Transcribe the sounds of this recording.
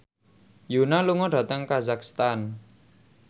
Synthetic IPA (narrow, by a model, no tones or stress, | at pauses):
junaluŋɔɖ̥ä̤t̪əŋkazakst̪an